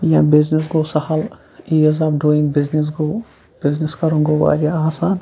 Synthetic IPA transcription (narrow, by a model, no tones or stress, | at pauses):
jãːbɪznis̬ɡoːsɐhɐl | iːɐzaːbɖuːĩŋɡbɪznis̬ɡoː | bɪzniskɐɾũːŋɡoʋa̰ːɾaaːsaːn